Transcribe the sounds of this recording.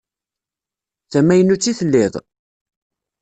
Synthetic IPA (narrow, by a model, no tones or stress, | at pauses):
θæmːæjənːut͡sːiθəlːɪðˤ